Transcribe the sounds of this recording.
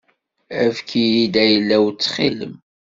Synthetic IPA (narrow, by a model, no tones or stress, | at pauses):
æfkʰiid̪æjəlːæwt͡sːχilə̰m